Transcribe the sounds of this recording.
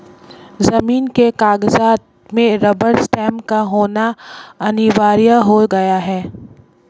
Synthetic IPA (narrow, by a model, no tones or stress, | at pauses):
zɐmiːnkekaːɡzaːd̪ | mẽɾɐbəɾsʈɛ̃ːmkaɦoːnaɐnɪʋaːɾijaɦoɡɐjaɦɛː